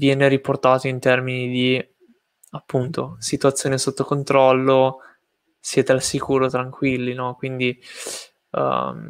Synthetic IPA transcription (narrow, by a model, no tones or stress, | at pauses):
vjɛːneɾiport̪aːt̪oint̪ɛrminid̪i | apːunt̪osit̪uat̪sːjoːnesot̪ːokont̪ɾɔlːo | sjɛt̪ealsikuːɾot̪ɾaŋkwilːinɔkwind̪ḭ